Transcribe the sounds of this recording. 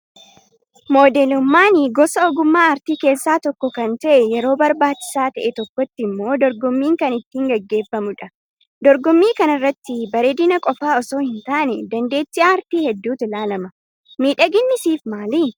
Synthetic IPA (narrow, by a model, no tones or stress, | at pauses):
mo̞ːd̪eːlʊmːaːnɪɡɔsɐɔɡʊmːaːɐɾt̪iːke̞ːsːaːt̪ɔkːɔkɐnt̪ɐʔɛjɛɾo̞ːbɐɾbaːt͡ʃːɪ̥saːt̪ɐʔɛt̪ɔkːɔt̪ːɪmːo̞ːd̪ɔɾɡɔmːiːŋkɐnɪt̪ːiːŋɡɐɡːe̞ːfːɐmʊᶑɐ | d̪ɔɾɡɔmːiːkɐnɐɪrːɐt̪ːɪbɐɾeːd̪ɪnɐkʼɔfaːɔso̞ːhɪnt̪aːʔnɛd̪ɐnd̪e̞ːt̪ːɪʔaːɐɾt̪iːhɛd̪ːuːt̪ɪlaːlɐmɐ | miːᶑɐɡɪnːɪsiːfmaːli